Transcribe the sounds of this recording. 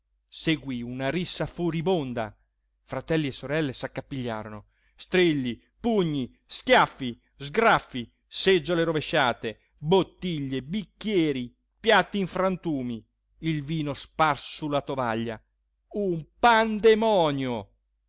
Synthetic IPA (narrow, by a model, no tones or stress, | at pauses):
seɡwiunaɾisːafuɾibond̪a̰ | fɾat̪ɛlːiesːoɾɛlːesakːapːiʎːa̰ːɾono | st̪ɾiʎːi | puɲːi | skjafːi | zɡɾafːi | sed͡ʒːoleɾoveʃːaːt̪e | bot̪ːiʎːebikːjɛːɾi | pjat̪ːiiɱfɾant̪uːmi | ilviːnosparssulːat̪ovaʎːa̰ | umpand̪emɔːnjo